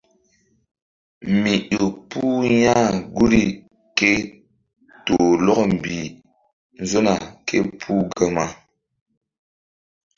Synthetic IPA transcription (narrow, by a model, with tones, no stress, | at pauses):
mi˨ɗo˨pu˦ja˦ɡu˦ɾi˨ | ke˦ | to˨lɔ˦km˨bi˨ | n˦zo˦na˨kʰe˦pʰu˦ɡə˨ma˨